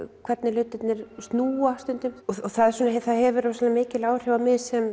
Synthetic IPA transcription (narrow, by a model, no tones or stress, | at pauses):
kʰvɛɾt̪nɪlʏt̪ɪt̪nɪɾ̥st̪nuːast̪ʏnt̪ʏmɔɔθaðsɔnaɦθaðhɛvʏɾasɛnamɪːcɪlaːwr̥ɪvamɪðsɛm